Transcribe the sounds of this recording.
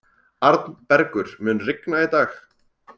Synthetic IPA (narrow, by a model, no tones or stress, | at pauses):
aɾt̪npɛɾkʏɾ̥mʏːnrɪknait̪aːx